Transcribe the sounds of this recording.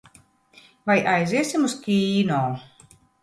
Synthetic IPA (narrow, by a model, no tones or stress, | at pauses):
vajʔajzʲiɛsʲimuskʲiːnoː